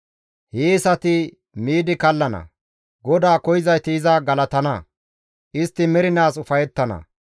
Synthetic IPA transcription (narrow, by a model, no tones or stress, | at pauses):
heːsɐt̪ɪ | miːd̪ɪkɐlːɐnɐ̰ | ɡɔd̪aːkɔjɪzɐjt̪ɪɪzɐɡɐlɐt̪ɐnɐ | ʔɪst̪ːɪmɛɾɪnaːsʊfɐjɛt̪ːɐnɐ̰